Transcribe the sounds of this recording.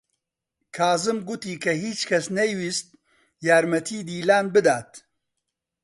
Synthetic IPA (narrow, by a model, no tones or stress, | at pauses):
kʰaːzɨmɡʊt̪iːkʰɐɦiːt͡ʃkʰɐsnɛjwiːst̪̚ | jaːɾmɐt̪ʰiːd̪iːlaːnbɨd̪aːt̪